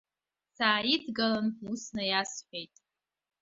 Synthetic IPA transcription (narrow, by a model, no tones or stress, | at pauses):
saːidɡalanusnajasħᶣejtʼ